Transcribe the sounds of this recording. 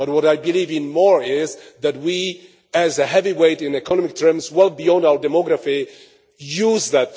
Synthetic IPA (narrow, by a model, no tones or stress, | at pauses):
b̥ʌt̚wʌɾaɪbɨlivɨ̃nmɔɹɪzðɨt̚wi | ɨzɨɦɛviweɪɾɪ̃nɨkʰɔnɔmɪk̚tʰɜ˞mzwɛlˠbiɔ̃ndaʊə˞dɨmɔɡɾəfi | juzðɨt̪̚